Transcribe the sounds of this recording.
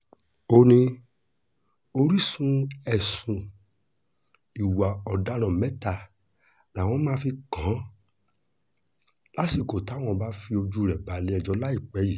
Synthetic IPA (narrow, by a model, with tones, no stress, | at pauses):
o˦˧nĩ˧ | o˧ɾi˦sũ˧˦ɛ˨sũ˨ | i˨wa˨ɔ˨da˨˦ɾ̃ã˨mɛ̃˨˦ta˦˧ | la˨w̃ɔ̃˧˦mãː˦fi˧kã˨˦ | la˦si˦˨ko˨ta˨˦˨w̃ɔ̃˧ba˦fi˧o˧d͡ʒu˦˨ɾɛ˨ba˨˦le˨˦ɛ˧d͡ʒɔ˧˦la˦i˦˨k͡pɛ˨˦ji˦˨